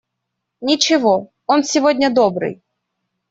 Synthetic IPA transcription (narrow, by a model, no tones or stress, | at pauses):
nʲɪt͡ɕɪvo | onsʲɪvodʲnʲəd̪obɾɨ̰j